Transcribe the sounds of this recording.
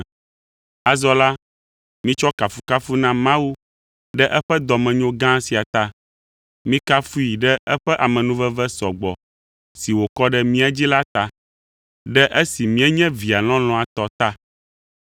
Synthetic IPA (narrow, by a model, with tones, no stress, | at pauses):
a˨zɔ˦la˦ | mĩ˦t͡ʃɔ˦ka˨fu˨ka˦fu˦nã˦mã˦wu˦ | ɖɛ˦ʔɛ˦ɸɛ˦d̪ɔ˨mɛ̃˨ɲõ˦ɡã˦si˨a˨t̪a˦ | mĩ˦ka˦fu˦ji˨ɖɛ˦ɛ˦ɸɛ˦ʔa˨mɛ̃˨nũ˦vɛ˦vɛ˦sɔ˨ɡ͡bɔ̰˨ | si˨wo˨kɔ˦ɖɛ˦mĩ˦a˨d͡ʑi˦la˦t̪a˨ | ɖɛ˦ʔɛ˦si˨mĩ˦ɛ˦ɲɛ̃˦vi˨a˨lɔ̃˦l̃ɔ̃˨a˨t̪ɔ˨t̪a˦